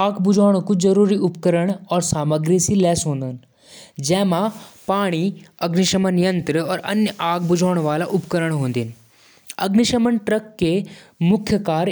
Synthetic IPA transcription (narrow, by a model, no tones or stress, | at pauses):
aːkbʊd͡ʒʱaːɽ̃kud͡ʒɐɾuːɾiʊpkəɾəɽ̃ɔːɾsaːməɡɾisilɛːsɦõːnd̪ən | d͡ʒɛːmãpaːɽ̃iɐɡniʃəmənijə̃nt̪ɾəɔːɾɐ̰njəʔaːkʰbʊd͡ʒʱaːɽ̃ʋaːlaʔʊpkəɾəɽ̃ɦõːnd̪in | ɐɡniʃəmənʈɾɐkːemʊkʰjəkaːɾ